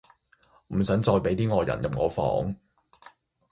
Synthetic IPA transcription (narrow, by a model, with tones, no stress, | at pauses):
m̩˨˩sœː˨˥ŋt͡sɔː˧jpe˨˥jt̪iː˥ŋɔː˧jɐ̰˨˩njɐ˨p̚ŋɔː˨˧fɔ̰ː˨˥ŋ